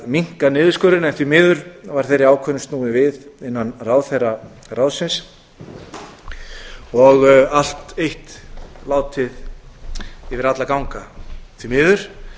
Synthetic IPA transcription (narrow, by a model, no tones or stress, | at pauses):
miŋ̥kanɪːðʏskœɾɪnɛnθvimɪːðʏɾvaɾ̥θejɾɪaːwkʰœnʏst̪nuːðɪvɪðɪnːanraːwθejra | rawsɪns | ɔɣal̥t̪ejht̪laːwt̪ʰɪð | ɪvɪɾat̪lakawŋkaθvimɪːðʏɾ̥